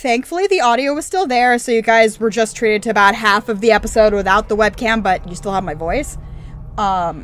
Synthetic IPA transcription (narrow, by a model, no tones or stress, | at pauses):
θæ̃ŋkfl̩ˠiðiɑɾioʊwʌz̥stɪlˠðə˞soʊjɨɡaɪzwə˞d͡ʒʌstʰɹ̥iɾɨd̚tʰɨːbaʊt̚ɦæfʌvðiɛpəsoʊd̚wɨθaʊt̪̚ðəwɛb̚kʰæ̃mb̥ʌt͡ʃɨstɪlˠəvmaɪvɔɪs | ʌ̃m